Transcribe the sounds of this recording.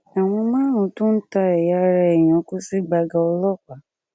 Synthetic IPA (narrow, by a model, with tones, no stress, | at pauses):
a˨w̃ɔ̃˧mãː˦ɾ̃ũ˨˦tũ˦n̩˦ta˧ɛ˨ja˧ɾɛ˧ɛ˨j̃ã˨˦ku˦si˦ɡ͡ba˧ɡa˧ɔ˧lɔ˦˨k͡pa˨˦